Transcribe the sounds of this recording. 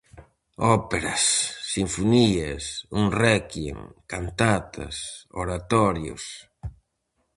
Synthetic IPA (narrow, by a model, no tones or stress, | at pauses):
ɔpeɾasːiɱfuniesuŋrɛkiḛŋkant̪at̪ʰa̰so̰ɾat̪ɔɾjo̰s